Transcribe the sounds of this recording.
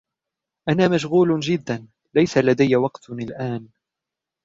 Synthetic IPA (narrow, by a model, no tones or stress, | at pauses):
ʔanaːmaʃɣuːld͡ʒɪd̪ːan | lajsalad̪ajːawɑqt̪alʔaːn